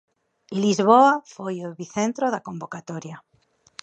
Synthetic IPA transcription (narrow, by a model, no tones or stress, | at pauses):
ilizβoafojoβiθẽnt̪ɾoðakõmbokat̪oɾja